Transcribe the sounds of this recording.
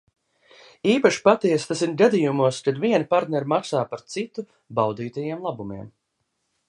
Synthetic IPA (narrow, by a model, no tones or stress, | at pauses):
iːpaʃi̥pat̪iɛst̪asinɡad̪ijumuɔskad̪viɛnpaɾt̪nʲɛɾmaksaːpaɾt̪sit̪u | bawd̪iːt̪ajiɛmlˠabumiɛm